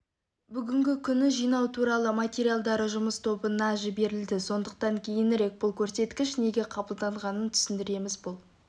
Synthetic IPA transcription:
bʏɡʲɪŋɡʲɪkʲʰʏnɪʒijnɑwt̪ʰuɾɑlˠəmat̪ʲeɾijalˠd̪ɑɾəʒʊməst̪ʰo̞bənɑʒɪbe̞ɾɪld̪ɪso̞nd̪əqt̪ɑŋkʲʰejɪnɾe̞k̚bʊlˠkʲʰɵɾse̞t̪kʲɪʃne̞ɡʲe̞qʰɑbəlˠd̪ɑɴʁɑnənt̪ʰʏ̥sɪnd̪ɪɾe̞mɪzbʊlˠ

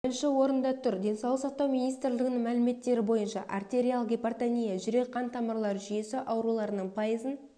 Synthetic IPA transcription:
bɪɾɪnʃɪwo̞ɾənd̪ɑt̪ʰʏɾd̪e̞nsɑlˠəqsɑq̚t̪ɑwmijnijst̪ɾlɪɡʲɪnɪŋmælɪme̞t̪ːe̞ɾɪbo̞jənʃɑʔart̪e̞ɾʲijalˠɡʲepart̪anʲijaʒʏɾe̞kʰːɑnt̪ʰɑməɾlˠɑɾʒʏje̞sɪʔɑwɾulˠɑɾənəɴpʰɑjəzən

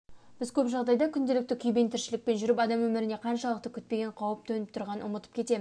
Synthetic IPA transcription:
b̥ɪzkʲʰɵpʒɑʁd̪ɑjd̪ɑkʲʰʏnd̪e̞lɪk̚t̪ɪkʲʰʏjbe̞nt̪ʰɪɾʃɪlɪk̚pe̞nʒʏɾɪpɑd̪ɑmwɵmɪɾɪne̞qʰɑnʃɑlˠəqt̪əkʲʰʏt̪̚pe̞ɡʲe̞ɴqʰɑwəp̚t̪ʰɵnɪp̚t̪ʰʊɾʁɑnnʊmət̪əp̚kʲʰe̞t̪e̞mɪz

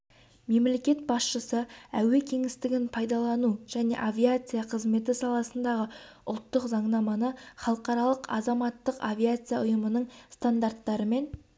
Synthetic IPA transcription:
me̞mle̞kʲe̞t̪̚bɑsʃəsəæwe̞kʲʰe̞ŋɪst̪ɪɡʲɪnpʰɑjd̪ɑlˠɑnuʒ̥æne̞̰ʔavʲijat̪sɨijɑqʰəzme̞t̪̬ɪsɑlˠɑsənd̪ɑʁəʊ̰lˠt̪ːəqzɑɴnɑmɑnəχɑlˠəqɑɾɑlˠəqɑ̰zɑmɑt̪ːəqavʲiat̪sɨjaʊjəmənəɴst̪and̪art̪ːɑɾəme̞n

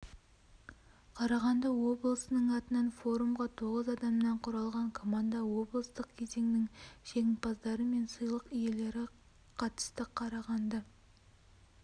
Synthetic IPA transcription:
qʰɑɾɑʁɑnd̪ɑwo̞blˠəsənəɴɑt̪ənɑnfo̞ɾumʁɑt̪ʰoʁəzɑd̪ɑmnɑɴqʰʊɾɑlˠʁɑɴkʰo̞mɑnd̪ɑwo̞blˠəst̪əq̚kʲʰe̞ze̞ŋnɪŋʃeŋʲɪnpɑzd̪ɑɾəme̞nsəjlˠəqije̞le̞ɾɪ | qʰɑt̪ə̥st̪əqʰɑɾɑʁɑnd̪ɑ

